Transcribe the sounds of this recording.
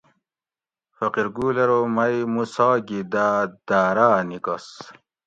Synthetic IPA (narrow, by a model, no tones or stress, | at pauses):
fɐqiɾɡuːleɾomɐjmusɑːɡid̪ad̪̥aːɾaːnikɐs